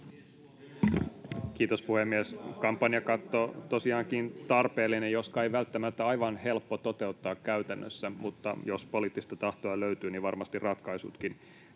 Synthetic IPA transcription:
k̟iːt̪ospuhemːieskɑmpːɑnjɑkɑt̪ːot̪o̞siɑːŋkint̪ɑrpe̞ːlːinejjot̪kɑejʋælt̪ːæmæt̪ːæɑjʋɑnhe̞lpːot̪o̞t̪e̞ut̪ːɑːkkːæyt̪ænːø̰sːæmut̪ːɑ̰jo̞spo̞liːt̪ːist̪æt̪ɑht̪oɑløyt̪yːniʋɑrmɑst̪irɑt̪kɑjsṵt̪kin

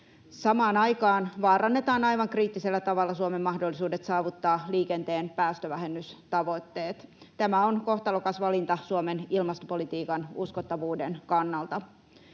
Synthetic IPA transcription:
sɑmɑːnɑjkɑːnʋɑːrɑnːet̪ɑːnɑjʋɑŋkriːt̪ːise̞lːæt̪ɑʋɑlːɑsuomemːɑhdolːisuːde̞t̪sɑːʋut̪ːɑːliːke̞nt̪e̞ːnpæːst̪øʋæɦe̞mːyst̪ɑʋo̞t̪ːe̞ːt̪t̪æmæonko̞ht̪ɑlokɑsʋɑlint̪ɑsuome̞nilmɑst̪opolit̪iːkɑnuskot̪ːɑʋuːdenkɑnːɑlt̪ɑ

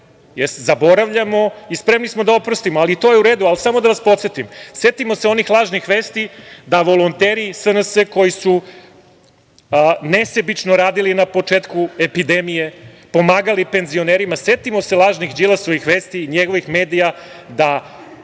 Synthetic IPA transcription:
jeszabo̞ɾaʋʎamo̞ispɾe̞mnismod̪aopɾost̪imoalit̪o̞jeuɾe̞ːd̪ualsamod̪aʋaspo̞t̪se̞t̪imse̞t̪imo̞seo̞nixlˠaːʒnixʋeːst̪id̪aʋo̞lˠont̪eːɾisənəsəko̞jisu | nesebit͡ʃnoɾaːd̪ilinapo̞t͡ʂeːt̪kue̞pid̪emije̞ | po̞maːɡalipe̞nzio̞neːɾimase̞t̪imo̞selˠaːʒnixd͡ʑilˠasoʋixʋeːst̪iɲeɡo̞ʋixme̞ːd̪ija | d̪a

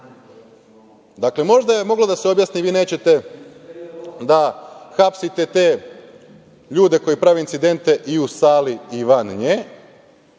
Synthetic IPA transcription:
d̪akle̞mo̞ʒd̪aje̞mo̞ɡlˠad̪aseobjaːsniʋiːne̞ːt͡ɕe̞t̪e̞ | d̪axapsit̪e̞t̪e̞ː | ʎuːd̪e̞ko̞jipɾaːʋeint̪sid̪e̞nt̪e̞ʔiusaːliiʋanɲe

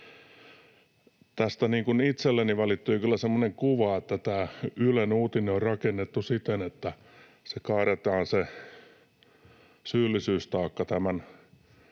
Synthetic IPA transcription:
t̪æst̪æniːŋkunit̪selːeniʋælit̪ːyːkylːæsemːoneŋkuʋɑet̪ːæt̪æːylenuːt̪ineorrɑkenːet̪ːusit̪enet̪ːæ | sekɑːret̪ɑːnse | syːlːisyːst̪ɑːkːɑt̪æmæn

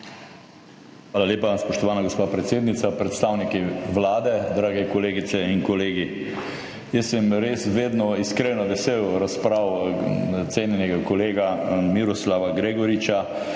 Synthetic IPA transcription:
xʋaːlaleːpaspɔʃt̪ɔʋaːnaɡospaːpɾɛt̪seːd̪nit̪sapɾɛt̪st̪awnikiʋlaːd̪ɛd̪ɾaːɡɛkɔleːɡit̪sɛinkɔleːɡi | jəsːɛmɾeːsʋeːd̪nɔiskɾeːnɔʋɛsewɾaspɾaw | t̪seːnjɛnɛɡakɔleːɡamiɾɔslaʋaɡɾeːɡɔɾit͡ʃa

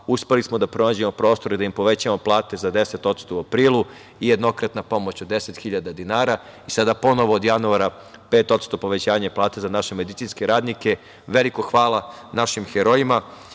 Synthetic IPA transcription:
uspe̞lismod̪apɾo̞naːd͡ʑe̞mo̞pɾo̞ːst̪o̞ɾid̪aimpo̞ʋe̞t͡ɕamo̞plˠaːt̪e̞zad̪e̞set̪o̞t̪st̪o̞uapɾiːlˠu | ijed̪no̞kɾat̪napo̞mo̞t͡ɕod̪ːe̞set̪xiʎad̪ad̪inaːɾaisad̪apo̞no̞ʋoːd̪januaɾa | peːt̪o̞t̪st̪o̞po̞ʋe̞t͡ɕaːɲeplˠaːt̪ezanaʃe̞me̞d̪itsiːnskeɾaːd̪nike̞ | ʋe̞likoxʋaːlanaʃimxeɾo̞ima

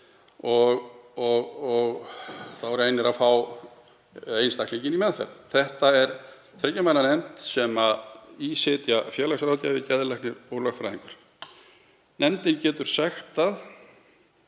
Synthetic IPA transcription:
ɔɣɔɣɔɣθaðvɔɾejnːɪɾaðfaw | ejnst̪akliɲcɪnimɛðfɛ̰ɾðθɛht̪aɛɾ | t̪ʰɾɛcːamajnanɛmt̪sɛmaisɪːt̪jafjɛːlasɾaːwt̪javɪcɛðlɛknɪowlœxfɾa̰jðiŋkʏɾ̥ | nʔɛmt̪ɪncɛːt̪ʏɾ̥sɛxt̪að

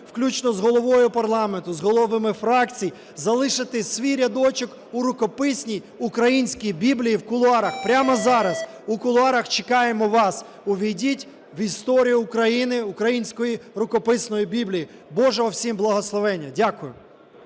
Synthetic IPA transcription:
wklʲut͡ʃnɔzɦɔlˠɔʋɔjʊpɐrlˠɑment̪ʊzɦɔlˠɔʋɪmɪfɾɑkt͡sʲij | zɐlˠɪʃɪt̪ɪsʲʋʲijɾʲɐd̪ɔt͡ʃɔk | uɾʊkɔpɪsʲnʲij | ʊkɾɐjinʲsʲkʲijbʲiblʲijiwkʊlˠʊɑɾɐxpɾʲamɐzɑɾɐz | ukʊlˠʊɑɾɐxt͡ʃɪkɑjemɔʋɑs | ʊʋʲidʲitʲ | ʋist̪ɔɾʲijʊːʊkɾɐjinɪʊkɾɐjinʲsʲkɔjiɾʊkɔpɪsnɔjibʲiblʲiji | bɔʒɛɔwsʲimblˠɐɦɔslˠɔʋɛnʲːɐdʲakʊjʊ

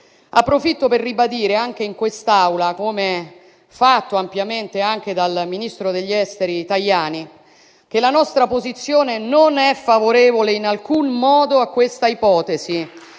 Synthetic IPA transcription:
apːɾofit̪ːoperːibad̪iːɾeaŋk̟eiŋkwest̪awlakoːme | fat̪ːoampjament̪eaŋk̟ed̪alminist̪ɾod̪eʎːɛst̪eɾit̪aʎːaːni | k̟elanɔst̪ɾapozit̪sːjoːnenonɛfːavoɾeːvoleinalkunmɔːd̪oakːwest̪aipɔːt̪ezi

